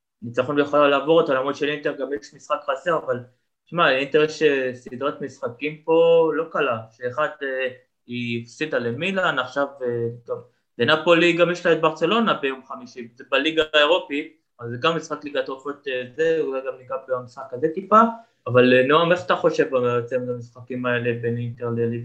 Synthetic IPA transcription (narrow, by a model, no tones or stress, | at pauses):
nit͡saχo̞nbejeχaalaːvoʁat̪alamʁodʃelint̪eʁɡamjeʃmisχakχaseʁaval | ʃmaint̪eʁeʃesidʁat̪misχakimpo̞lo̞kalaʃeːχad̪e | iifsid̪alemilanaχʃavet̪ov | benapo̞liɡamjeʃlajot̪̚baʁt͡selo̞nabejomχamiʃizebaliɡaeʁo̞pi | avalzeɡamːisχakliɡat̪ʁofot̪ezezaɡamiɡabamisχakazet̪ipaː | valenoameχat̪aχo̞ʃe̞vbaot͡semtamisχakimaele̞benint̪eʁleli